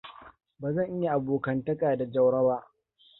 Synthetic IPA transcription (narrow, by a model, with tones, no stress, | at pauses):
baː˨zɐ˦˨ŋʔɪ˦ja˨ʔa˨boː˨kɐ˦ntɐ˦kʼaː˨da˨d͡ʒɐ˦wɽɐ˦baː˦